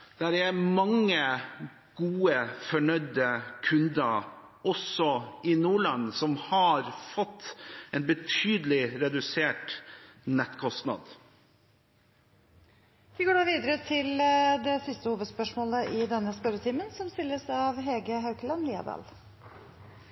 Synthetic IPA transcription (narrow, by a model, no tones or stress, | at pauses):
d̪̥æɾæɾmɑŋːə | ɡ̥uːəfɔɳœʏd̪əkʰʉnd̪ə | ɔsɔɪnuːɭɑnːsɔmhɑɾfɔt̪ːɛːnbət̪ʰyːd̪əlɪɾɛd̪ʉseːʈnɛt̪kʰɔst̪nɑ̰d̪ | ʋɪɡoːɖɑːʋiːd̪əɾət̪ʰɪld̪ɛsɪst̪əhuːʋəd̪spœʂmoːləʔɪd̪ɛnːəsp̪ɛɾət̪ʰiːmənsɔmst̪ɪlːəsɑʋɦeːɡəɦɑʉkəlɑnliːɑ̰d̪ɑ̰l